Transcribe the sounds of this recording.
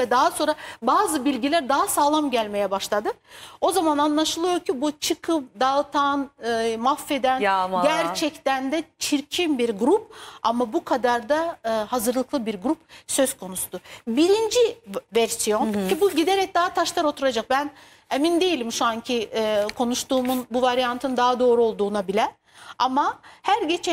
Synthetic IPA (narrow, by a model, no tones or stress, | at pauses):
vɛd̪aɦaso̞nɾabaːzɯbilʲɟilʲæɾd̪aɦasaːlˠamɟælʲme̞jɛbaʃlˠad̪ɯo̞zamananlˠaʃɯlˠɯjo̞ɾcʰibut͡ʃʰɯkʰɯpd̪alˠt̪ʰanmafːe̞d̪ænɟæɾt͡ʃʰɛct̪ænd̪ɛt͡ʃʰiɾcʰimbiɾɡɾupa̰mabukʰad̪aɾd̪ahazɯɾlˠɯklˠɯbiɾɡɾupsø̞z̥kʰo̞nusud̪̥ubiɾind͡ʒivæɾsijo̞ncʰibuɟid̪e̞ɾɛc̚d̪aɦat̪ʰaʃlˠaɾo̞t̪ʰuɾad͡ʒak̚bæn | emind̪e̞jilʲimʃuaɲcʰikʰo̞nuʃt̪uːmunbuvaɾjant̪ʰɯnd̪aɦad̪o̞ːɾuo̞lˠd̪uːnabilʲɛ | amahæɾɟe̞t͡ʃʰɛ